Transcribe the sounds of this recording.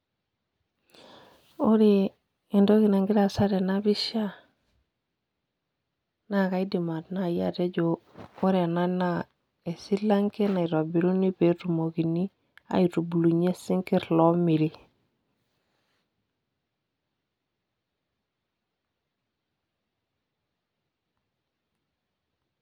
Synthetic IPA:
o˦ɾi˨ | i˨ndo˦ki˨na˨ŋɡi˦ɾa˨sa˦ɾe˨na˦bi˦ʃa˦ | na˦ka˨˦i˦di˨ma˨tna˦˨ja̰˦te˦ɟo˨ | o˦ɾe˨a˨na˦na˦ | e˨si˦la˦ŋke˦na˨i˨ɾo˨bi˨ɾu˦ni˦pe˨ɾu˨mo˨ɡi˨ni˦ | a̰˨˦i˨ɾu˨bu˨lu˨ɲe˦si˦ŋki˦ɾlɔ˦mi˨li˦

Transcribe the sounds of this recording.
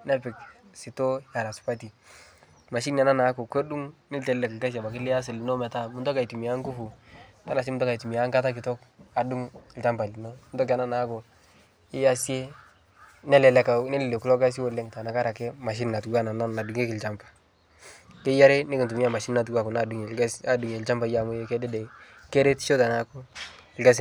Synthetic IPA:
nɛ˦pɪ˨ksi˨to˦ja˨ɾa˨su̥˨pa˦ti˨ | ma˨ʃ̬i˦n˦a˨na˦na˨˦ko˨ko˦ɗu˦ŋnɪ˦ltɛ˨llɛ˨kɪ˨lka˦sa˨ba˨kɪ˦lɪ˦ja˦s̬ɪ˨lɪ˨no˦mɛ˨ta˦mu˦tɔ˦ka˨i˨tu˨mi˨ja˦ŋku˦fu˨ | ta˦na˨s̬i˦mu˦tɔ˦ka˨tu˨mi˨a˨˦ŋka˦ta˦k̬ɪ˨tɔ˦ka˨du˦ŋɪ˨lt͡ʃa˦mpa˨li˨no˦mu˦tɔ˦k̬a˨na˦na˨˦ko˨ | ɪ˦ja˦si˦e˦ | nɛ˦lɛ˨lɛ˨ka˨˦nɛ˦lɪ˨le˨ku˦lɔ˦ka˦s̬i˦wo˨lːe˦ŋta˨na˨ka˦ɾa˨ke˦ma˨ʃ̬i˦n˨na˨tɡu˦a˦na˨na˦na˨du˨ŋe˦kɪ˨lt͡ʃa˦mpḁ˨ | ke˦ja˦ɾe˦nɪ˦kɪ˨tu˨mi˦a˨ma˨ʃi˦n˦na˨t̬ɡu˦a˨ko˨na˨du˨ŋe˨ka˦sa˦du˨ŋe˨lt͡ʃa˦mba˨˦ja˨mu˦je˦kɛ˦dɛ˦dɛ˨ | ke˦ɾe˦tʃo˦ta˨na˨˦ko˦˨lka˦s̬

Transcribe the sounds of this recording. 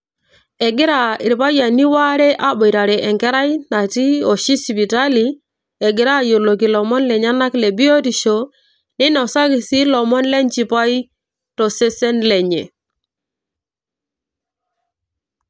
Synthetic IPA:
ɛ˨ɡɪ˦ɾa˨i˨ɾi˨pa˦ja˨ni˦wa˦ɾɛ˦ʔa˨bɔ˨jɾa˨ɾɛ˨ʔɛ˨ŋkɛ˦ɾa˦jna˨ti˦o˨ʃi˦si˨pi˨ta˦li˨ | e˨ɡɪ˨ɾa˦jo˨lo˨ki˨lɔ˨mɔ˦nlɛ˨ɲa˦na˦kle˨bi˦o˦ti˨ʃo˨ | ni˦nɔ˨sa˦ki˨si˦lɔ˨mɔ˦nlɛ˦nt͡ʃi˨pa˦ji˦ | tɔ˨se˦se˦nle˨ɲḛ˨

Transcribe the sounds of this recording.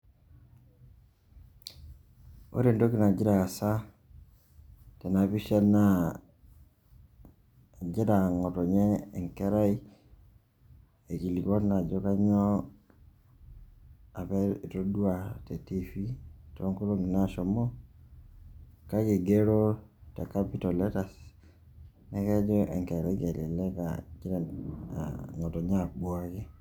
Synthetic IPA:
o̰˦ɾe˨ndo˦ki˦na˨d͡ʒi˦ɾa˨a˨sa˦ | te˨na˨βi˦ʃa˦na˦ | d͡ʒi˦ɾa˨ŋo˨to˨ɲɛː˦˨ŋke˦ɾa˦i˦ | e˨ki˨li˨ko˦na˨d͡ʒo˦ka˦ɲo˦ | a˨pɛ˦i˨to˦dwa˨tɛ˨ti˦fi˦tɔ˦ŋko˦lo˦ŋi˨na˦ʃɔ˨mɔ˦ | ka˦ki˨ɡe˦ɾo˦ta˨ka˦pi˦tɔ˨lɛ˦ta˨s | nɛ˦kɛ˦d͡ʒɔ˦ʔɛ̰˨ŋkɛ˨ɾa˦ke˨lḭ˨lɛ˦ka̰˨d͡ʒda̰˨ | ŋɔ˨tɔ˨ɲa˦a˨bwa˦kɪ˦

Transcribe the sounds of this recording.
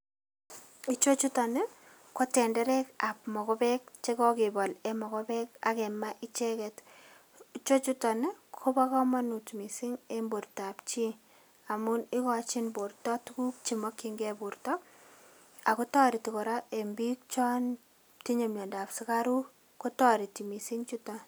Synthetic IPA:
i˦t͡ʃo˦t͡ʃutɔ˨nɪ | ko˦tɛ˨ndɛ˦ɾɛ˦ka˨pmɔ˨kɔ˦bɛk̚t͡ʃe˦kɔkɪbɔ˨lɛmɔ˨kɔbɛka̰˨kɛ˨maʔi˦t͡ʃɛkɛt | it͡ʃo˦t͡ʃu˦tɔ˨nɪ˦kʰo˦ba˦kɔ˦ma˦nu˨tmi˨si˦ŋe˦mbo˨rtap̚t͡ʃi˦ | a˨mu˦ni˦kɔt͡ʃi˦nbo˨ɾtɔ˦tu˦ku˦k̚t͡ʃimɔ˦kːiŋɡɛ˦bu˨rtɔ˦ | a˨ku˦tɔ˦ɾi˨ti˨kɔ˨ɾa˦e˨mbi˦k̚t͡ʃɔ˦n | ti˦ɲo˨mjɔ˨nda˨psi˦kaɾu˦ | ko˦tɔɾi˨ti˨mi˨si˦ŋt͡ʃu˦tɔ˨

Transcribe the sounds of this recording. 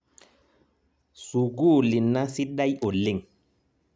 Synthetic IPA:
su˨ɡu˦˨li˨nːa˦si˦ɗa˦jo˨li˨ŋ

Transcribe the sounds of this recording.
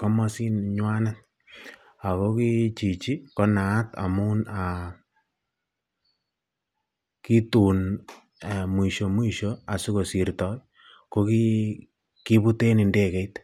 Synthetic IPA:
kɔ˦mɔ˦si˦nɲwa˦na˦t̚ | a˨ko˦ki˦t͡ʃi˨t͡ʃi˦kɔ˦na˨˦ta̰˨mu˦na˨ | ki˦tu˨n˨ | mwi˨ʃo˨mwi˨ʃo˦a˨su˦ko˨si˨ɾtɔ˨ | ko˦ki˦ | ki˦bu˦te˦ni˨nde˦kɛ˨jt

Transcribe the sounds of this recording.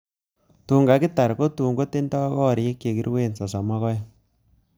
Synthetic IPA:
tuː˨ŋɡa˨kɪ˦ta˨ɾko˦tuː˨ŋɡo˦te˦ndɔ˦kɔ˦˨ɾe˦kje˨kḭ˦ɾwe˦nsɔ˨sa˨ma˦kɔ˦j

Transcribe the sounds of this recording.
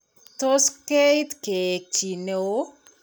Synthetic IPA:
to˦ske˦jtke˨k̚t͡ʃi˨ne˨o˦

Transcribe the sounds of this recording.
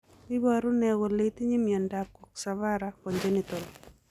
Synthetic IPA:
i˦baɾʊ˦nɛwɔ˨le˦t̪i˦ɲi˦mjɔndakɔ˨ksaβaɾakɔ˨ɲd͡ʒenit̪o˨l

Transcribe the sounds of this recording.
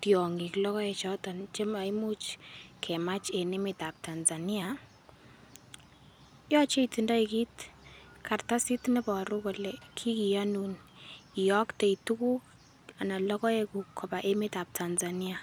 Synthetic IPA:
tjɔ˨ŋi˨klɔ˦kɔ˦ɛ˨t͡ʃɔtɔnt͡ʃe˦ma˨imu˦t͡ʃkʰɛ˨ma˦t͡ʃe˨ne˦mɪ˨ta˨p̚ta˨nzani˦a | jɔ˦t͡ʃe˦iti˨nda˦iki˦t | ka˨rta˦si˦tnɛ˦pɔ˨ɾu˦kɔ˨lɛ˨kʰi˦ki˨janu˨n | ijɔ˦kte˨i˨tu˦ku˦k | a˨na˨lɔ˦kɔ˦e˦ku˨kʰːɔ˨pa˨ʔe˦mɪta˨p̚tʰa˨nza˨ni˦a˨

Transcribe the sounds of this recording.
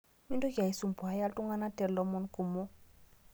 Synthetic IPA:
mi˦ndka˨i˨su˨mpu˨a˨ja˦ltu˦ŋɡa˦na˦tɛ˨ɾlɔ˦mɔ˦nku˨mɔ˦

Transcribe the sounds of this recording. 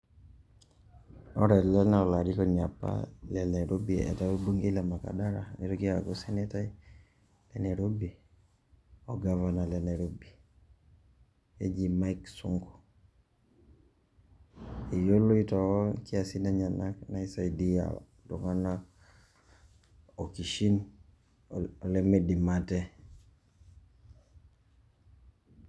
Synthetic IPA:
ɔ˦ɾɛ˨lɛ˦na˦o˨la˨ɾikɔ˨ɲa˨pːa̰lɛ˨ne˨ɾo˦biḛ˨ta˦wo˦bu˦ŋɡe˦lɛ˨ma˨ka̰˨da˦ɾa̰˨ni˨ɾoki˦a˨ɡo˦se˦ne˦ta˦i | lɛ˨ne˨ɾo˦bi˨ | o˨ɡava˨na˨le˨ne˨ɾo˦bi˨ | e˦d͡ʒi˨ma˦iksu˦ŋko̥˨ | i˨jo˦lo˦itɔɔkiasi˦naɲa˨naknaisa˨idia̰˨ | dṵ˨ŋa˦na | o˨ki˨ʃi˦n | ɔ˨leme˦di˨matɛ˦

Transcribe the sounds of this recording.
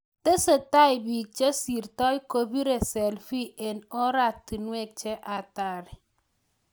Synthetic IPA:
te˦se˨ta˦jbi˨k̚t͡ʃe˦si˨ɾtɔ˦jko˦bi˦ɾe˨sɛ˨lfi˦ʔe˨nɔ˦ɾa˦˨ti˨nwe˦˨k̚t͡ʃɛ˦ʔa˨ta˨ɾɪ˨

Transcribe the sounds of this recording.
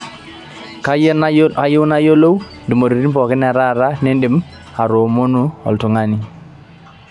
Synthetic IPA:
ka˦a˦je˦wna˦jo˦lo˦wndɪ˨mo˨ɾu˨ɾi˦npɔ˨kɪ˦n˦a˨ɾa˦˨ɾa˦nɛ˦ndɪ˨m | a˨ɾo˨mo˦nu˦ɔ̰˨ltʊ˨ŋa˦ni˦

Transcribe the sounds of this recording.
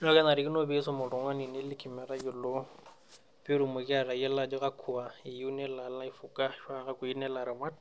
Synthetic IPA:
nɔ˦kɛ˦na˨ɾɪ˦kɪ˦no˦be˦sɔ˦mʊ˨ɺʊ˨ŋwa˦ni˨nɪ˦lɪ˦kʰɪ˨mɛ˨ɾa˦kɪ˨lo˦ | pɪ˦ɾu˨mʊ˨kɪ˦a˦˨ɾa˨jɛ˦la˦d͡ʒɔ˦ɣa˦kʰu˨a˨i˨ju˦nɛ˦la˨la˦i˨fu˨kʼa˦ʃwa˦ɣa˦kʊ˨i˦nɛ˦la˨ɾɪ˨ma˦d

